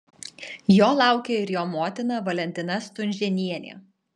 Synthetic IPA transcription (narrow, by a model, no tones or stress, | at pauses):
joːlˠɑˑʊkʲeɪɾjoːmoːt̪ʲɪnɐʋɐlʲɛnʲt̪ʲɪnɐst̪ʊnʲʒʲɛnʲiɛnʲḛː